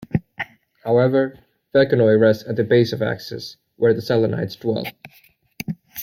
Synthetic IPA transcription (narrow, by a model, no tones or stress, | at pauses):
haʊɛvə˞ | fɛlˠkɨnɔɪɹɛstsɨt̪̚ðɨbeɪsʌvæ̰ksɨ̰s | wə˞ðɨsælˠəna̰ɪtsd̥wɛ̰lˠ